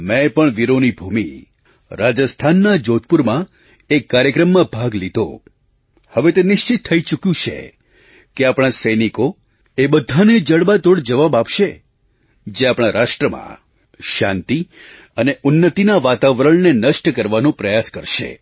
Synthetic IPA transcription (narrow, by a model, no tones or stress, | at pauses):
mɛ̃pəɳʋiɾonibʱumḭ | ɾad͡ʒəst̪ʰanːad͡ʒot̪̚puɾmã | ekːaɾjəkɾəmːãbʱaɡlid̪ʱo̰ | həʋet̪enɪʃt͡ʃɪt̪ʰːəit͡ʃukjũt͡ʃʰḛ | keapɽ̃asəjniko | ebəd̪ʱaned͡ʒəɽbat̪oɽd͡ʒəʋabapʃe | d͡ʒeapɽ̃aɾaʃʈɾəmã̰ | ʃãnt̪i | əneʔʊnːət̪inaʋat̪aʋɾəɭnenəʃʈəkəɾʋanũpɾəjaskəɾʃḛ